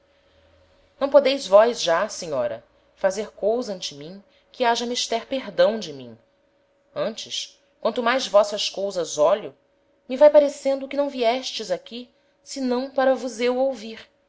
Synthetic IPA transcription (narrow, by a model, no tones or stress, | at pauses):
nɐ̃w̃pod̪ejzvɔjzʒaseɲɔ̰ɾɐ̰ | fazeɾkowzɐɐ̃nt͡ʃɪmĩ | kɪaʒɐmiʃt̪ɛɾpeɦd̪ɐ̃w̃d͡ʒɪmḭ̃ | ɐ̃nt͡ʃɪs | kwɐ̃nt̪ʊmajzvɔsɐskowzɐzɔʎʊ | mivajpaɾesẽnd̪ʊkɪnɐ̃w̃viɛʃt͡ʃɪzakʲi | sɪnɐ̃w̃paɾɐvʊzewowviɾ